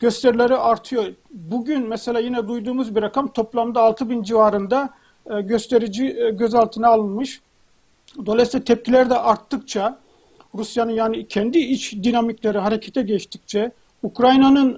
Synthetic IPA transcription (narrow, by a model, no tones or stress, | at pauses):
ɟ̥ø̞st̪ʰɛɾilʲeɾiʔaɾt̪ʰɯjo̞ɾbuɟynmɛselʲaːjinɛd̪ujd̪uːmuzbiɾakʰamt̪ʰo̞plˠamd̪aːlˠt̪ʰɯbind͡ʒivaːɾɯnd̪a | ɟøst̪ʰeɾid͡ʒiɟøzalˠt̪ʰɯnaːlˠɯnmɯʃ | d̪o̞lˠajsilʲɛt̪ʰɛp̚cʰilʲæɾd̪ɛʔaɾt̪ʰːɯk̚t͡ʃʰa | ɾusjanɯnjaːnicʰɛnd̪iit͡ʃd̪inamicʲlʲeɾiɦaɾecʰet̪ʰɛɟɛt͡ʃt̪ʰi̥c̚t͡ʃʰɛ | ukɾajnanɯn